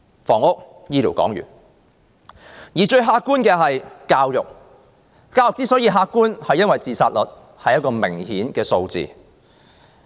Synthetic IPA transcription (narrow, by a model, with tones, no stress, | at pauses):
fɔː˨˩ŋʊ˥k̚ | jiː˥liː˨˩wkɔ̰ː˨˥ŋjy̰ː˨˩n | jiː˨˩t͡ʃɵ˧ɥɦaː˧kːuː˥nkɛː˧ɦɐ˨jkaː˧wjʊ˨k̚ | kaː˧wjʊ˨k̚t͡si˥sɔ˨˥jiː˧ɦaː˧k̚kːuː˥nhɐ˨jɐ˥nwɐ˨jt͡siː˨˧saː˧t̚lɔ˨t̚ | hɐ˨jɐ˥tkɔː˧mɪ˨˩ŋhiː˨˥nkɛː˧so˧wt͡sḭː˨